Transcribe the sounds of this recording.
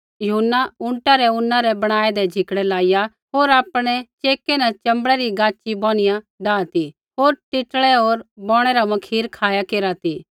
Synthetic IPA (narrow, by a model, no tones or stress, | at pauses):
jɐɦʊnːaʊ̃ɳʈaɾɛʊnːãɾɛbɐɽ̃aːɛd̪ɛd͡ʒʱɪkɽɛlaːɪja | ɦoːɾaːpɽ̃ɛt͡ʃeːkenɛt͡ʃɐ̃mbəɽɛɾiɡaːt͡ʃibɔ̃ːɽ̃ɪjã | ɖaːt̪i | ɦoːɾʈɪʈɭɛɦoːɾbɔ̃ːɽ̃ɛɾamɐkʰiːɾkʰaːjakeːɾat̪iː